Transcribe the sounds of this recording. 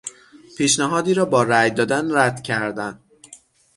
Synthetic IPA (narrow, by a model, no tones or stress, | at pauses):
pʰiːʃnæɦɒːd̪iːɾɒːbɒːɾæjd̪ɒːd̪ænɾæd̪̥cʰæɾd̪æn